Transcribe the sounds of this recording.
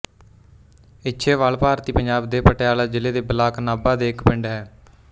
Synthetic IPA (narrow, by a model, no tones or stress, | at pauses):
ɪtːʃʰeːʋaːlpaːɾt̪iːpəɲd͡ʒaːbd̪eːpəʈɪjaːlaːd͡ʒɪleːd̪eːbəlaːknaːbaːd̪eːkpɪɳɖɦɛː